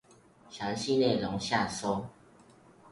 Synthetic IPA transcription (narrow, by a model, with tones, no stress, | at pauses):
ɕjɑ˨˥˦ŋɕi˥˦ne˥˨˩lɔ˨˦ŋɕja˥˨so˥˦